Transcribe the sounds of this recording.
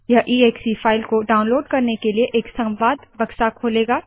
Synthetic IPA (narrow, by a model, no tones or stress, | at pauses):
jaʔiːeːksifʰaːɪlkoɖaːʊ̃nloːɖkɐɾnekelieʔeːksɐ̃mʋaːd̪bɐkʃakʰoːleːɡaː